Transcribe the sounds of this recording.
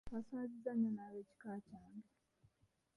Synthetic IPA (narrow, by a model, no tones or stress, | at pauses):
βasaːzizananaβeci̥kacaːŋɡe